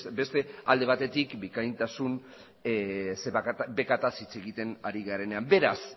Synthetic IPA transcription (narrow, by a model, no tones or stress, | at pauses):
be̞st̪e̞ald̪e̞β̞at̪e̞t̪ikbikajnt̪asun | esebe̞kat̪asit͡se̞ɣit̪e̞naɾiɣaɾe̞ne̞ambe̞ɾas